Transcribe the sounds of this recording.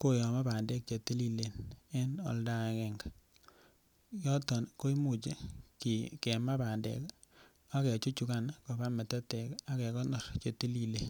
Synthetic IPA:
ko˦jɔ˨ma˦ba˨nde˦k̚t͡ʃe˨te˦li˦le˨ne˦nɔ̰˨lda˦ɛ˨kɛ˨ŋɡa | jɔ˦tɔ˨nko˦i˦mu˦˨t͡ʃe˦ki˨kɛ˨ma˦ba˨ndḛ˨k | a˦kɛ˨t͡ʃu˦t͡ʃu˨ka˦nko˨ba˦mɛ˨tɛ˦te˨ka˦kɛ˨kɔ˦nɔ˨ɾt͡ʃe˨ti˦li˨le˨

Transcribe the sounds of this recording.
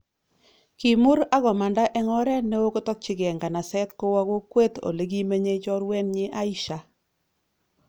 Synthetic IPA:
ki˨mu˦ɾa˦ɣɔ˨ma˨nda˦ʔɛ˦ŋɔ˦ɾɛ˦nːe˦o˦ko˦tɔ˦k̚t͡ʃɪ˦ɡɛ˨ŋɡa˨na˨sɛ˦t̪ko˦wa˦ko˦kwe˦t̪o̰˨le˨ɡi˦me˦ɲe˦t͡ʃɔ˦ɾwɛ˦nɲɪ˦ʔa˦i˦ʃa˨

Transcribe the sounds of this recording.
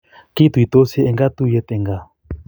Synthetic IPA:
ki˦t̪u˨i˨t̪o˦sɛ˦ɛ˧ŋɡa˦t̪u˦jɛ˧t̪ɛ˧˨ŋɡa˦˨

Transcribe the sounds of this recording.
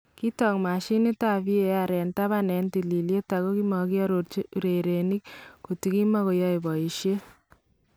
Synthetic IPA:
ki˦tɔ˨ŋma˨ʃi˦ni˦ta˨pi˦e˨a˨ɾɛ˨nta˦βa˦nɛ˨nti˨li˨lje˦ta˨ko˦kimɔ˨ki˦a˦ɾo˨ɾt͡ʃiuɾe˨ɾe˨ni˦k̚ku˨ti˦ki˦ma˦ko˨jɔ˦jbɔ˨i˨ʃje˦

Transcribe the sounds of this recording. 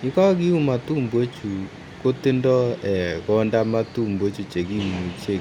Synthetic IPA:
ni˨˦kɔ˦ki˦u˦ma˨tu˦mbwe˦t͡ʃu˨ | ko˦tɪ˦ndɔ˦ɛ˨kɔ˦nda˦ma˦tu˦˨mbe˦t͡ʃu˨t͡ʃe˨ki˦˨mu˨t͡ʃe˦˨

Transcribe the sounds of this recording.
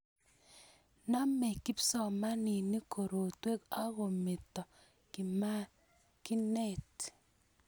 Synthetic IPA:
na˦me˨ki˦psɔ˨ma˦ni˨ni˦ko˨ɾo˨twe˦ka˦ɣo˨me˨tɔ˨ | ki˨ma˦ | ki˦nɛ˦t

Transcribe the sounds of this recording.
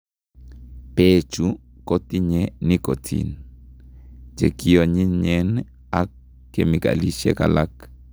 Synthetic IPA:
pet͡ʃu | ko˦t̪i˦ɲe˦ni˦ko˨tʰḭn | t͡ʃḛ˨ki˦o˨ɲi˦ɲɛn | akː | e˨mi˨ka̰˨li˦ʃḛ˦ka̰˨la˦k

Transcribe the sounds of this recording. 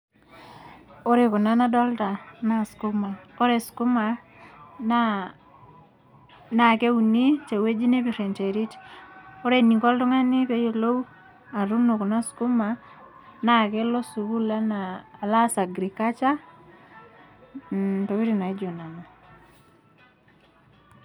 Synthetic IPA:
o˦ɾe˨ku˨na˦na˦dɔ˦lta˨na˦sku˦ma˨o˦ɾe˨sku˦ma˨ | na | na˨ke˦u˨ni˦t͡ʃe˨we˦d͡ʒi˦ne˦pi˨rɛ˨nt͡ʃe˨ɾi˦to˦ɾe˨ni˨ŋkɔ˦ltɔ˦ŋa˦ni˦pe˦je˨lo˦w | a˨ɾu˦no˨ku˨na˦sku˦ma˨ | na˦ke˦lɔ˦su˨ku˦la˦naː˨la˦sa˨ɡɾi˨ka˦t͡ʃa˦ | to˨βi˦ɾi˨na˨i˦d͡ʒo˨na˨na˨

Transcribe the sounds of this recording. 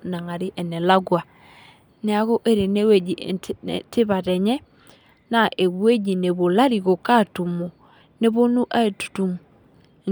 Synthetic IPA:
na˨ŋa˨ɾi˦ʔɛ˨nɛ˨la˦ɡwa˨ | nɛ˨˦a˨ɣo˦ʔe˦ɾe˨ne˦we˨d͡ʒi˨tɪ˦βa˨tɛ˨ɲɛ˦ | na˨ʔe˨ɡwe˦d͡ʒi˨ne˨βo˨la˦ɾi˨ɣo˨ka˦˨tu˨mo˨ | ne˦βo˦nu˦ʔa˦e˨tu̥˨tu˨m˨

